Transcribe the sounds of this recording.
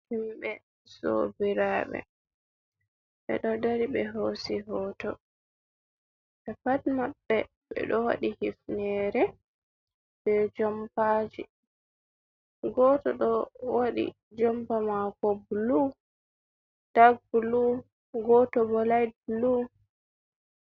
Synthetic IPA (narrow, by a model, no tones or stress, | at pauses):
himbɛ | so̰biɾaːɓɛ̰ | ɓɛ̰ɗɔdaɾibɛɦosiɦɔːtɔ | ɓɛpatmabːɛ | ɓɛ̰ɗɔwa̰ɗihifnɛɾɛ | b̥ɛd͡ʒɔmpad͡ʒi | ɡɔtɔɗɔwaɗḭ | d͡ʒɔmpamakɔblu | d̥aɡ̚bulu | ɡɔtɔbɔlajd̚blu